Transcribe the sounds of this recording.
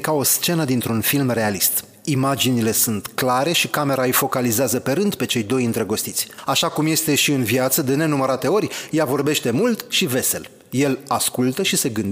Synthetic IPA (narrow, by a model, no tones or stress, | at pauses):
kao̞st͡ʃe̞nəd̪int̪ɾunfilmre̞alist̪ | imad͡ʒinile̞sunt̪klaɾe̞ʃikame̞ɾaɨjfo̞kalizeazəpe̞ɾɨnd̪pe̞t͡ʃe̞jd̪o̞jɨnt̪ɾəɡo̞st̪it̪sʲaʃakumje̞st̪e̞ʃiɨnvjat̪səd̪e̞ne̞numəɾat̪e̞o̞rʲjavo̞rbe̞ʃt̪e̞mult̪ʃive̞se̞l | je̞laskult̪əʃise̞ɡɨnd̪